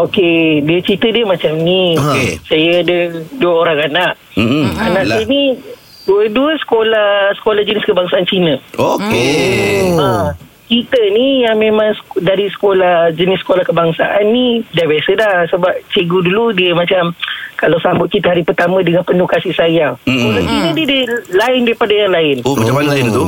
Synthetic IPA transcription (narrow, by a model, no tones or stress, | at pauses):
okediət͡ʃɾit̪ədiəmãt͡ʃamniokesajəadəduəoɾaŋanaʔ | anãʔani | duəduəsə̥kolasə̥kolahd͡ʒənɪskəbaŋsaant͡ʃinə̃oke | a | t͡ʃit̪ənijaŋmẽmãŋsdaɾisə̥kolahd͡ʒənɪsːə̥kolahkəbaŋsa̰ʔanːidabiasədahsəbap̚t͡ʃəɡuduludiəmat͡ʃamkalawsambʊt̪̚kit̪əɦaɾipərt̪amə̃dəŋanpənukasisajakolat͡ʃinə̃didilaɪndaɾipadajaŋlaɪnmaamalaɪnt̪u